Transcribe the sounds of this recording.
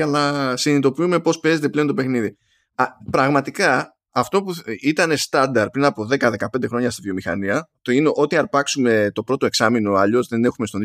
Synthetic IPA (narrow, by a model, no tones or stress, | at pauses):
ɐnɐsinit̪o̞piume̞po̞spe̞zet̪e̞ple̞ont̪o̞pe̞xniði | pɾɐɣmɐt̪ikɐː | ft̪o̞puit̪ɐne̞st̪ɐnd̪ɐɾ̚pɾinɐpo̞ðe̞kɐðe̞kɐp̪d̪e̞xɾo̞ɲɐst̪ivjo̞mixɐ̰niɐt̪oineʔo̞t̪iɐɾpɐksume̞t̪o̞pɾo̞t̪oe̞ksɐmino̞ɐʎo̞zðe̞ne̞xumest̪on